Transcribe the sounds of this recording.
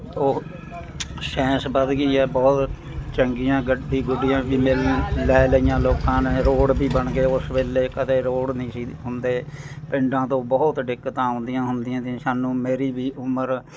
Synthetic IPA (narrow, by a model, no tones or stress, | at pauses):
oː | sɛ̃ːsbəd̪ɡiːɛːbɔːt̪ | t͡ʃəŋɡijãːɡəɖːiːɡʊɖijãːʋiːmɪllɛːləijãːloːkãːnẽːɾoːɽbiːbəɳɡeːʊsʋeːleːkəd̪eːɾoːɽnĩːsiːɦʊnd̪eː | pɪɳɖãːt̪õːbɔːt̪ɖɪkːət̪aːʊ̃nd̪ijãːɦʊnd̪ɪjãːt̪ĩsaːnũːmeːɾiːbiːʔʊməɾ